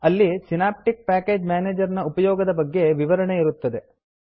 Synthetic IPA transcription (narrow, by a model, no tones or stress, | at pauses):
ɐlːisinaːp̚ʈik̚paːke̞ːd͡ʒmjaːneːd͡ʒɐɾɐnɐupɐjɔːɡɐd̪ɐbɐɡːe̞ʋiʋɐɾɐɳe̞iɾut̪ːɐd̪e̞